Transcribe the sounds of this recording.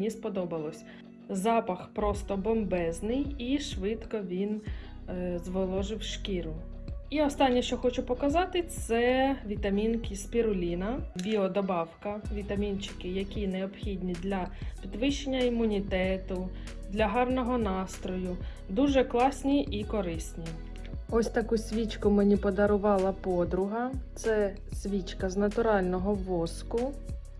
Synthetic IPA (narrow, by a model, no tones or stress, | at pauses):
nʲispɔd̪ɔbɐlˠɔsʲ | zɑpɐxpɾɔst̪ɔbɔmbɛznɪjiʃʋɪt̪kɔʋʲin | zʋɔlˠɔʒɪwʃkʲiɾʊ | iɔst̪ɑnʲːɛʃt͡ʃɔxɔt͡ʃʊpɔkɐzɑt̪ɪt̪sɛʋʲit̪ɐmʲinkʲispʲiɾʊlʲinɐbʲiɔd̪ɔbɑwkɐʋʲit̪ɐmʲint͡ʃɪ̥kɪjɐkʲinɛɔbxʲid̪ʲnʲid̪lʲɐpʲid̪ʋɪʃenʲːɐimːʊnʲit̪ɛt̪ʊ | d̪lʲɐɦɑrnɔɦɔnɑst̪ɾɔjʊ | d̪uʒɛklˠɑsʲnʲiʔikɔɾɪsʲnʲi | ɔsʲt̪ɐkusʲʋʲit͡ʃkʊmenʲipɔd̪ɐɾʊʋɑlˠɐpɔd̪ɾʊɦɐt̪sɛ | sʲʋʲit͡ʃkɐznɐt̪ʊɾɑlʲnɔɦɔʋɔskʊ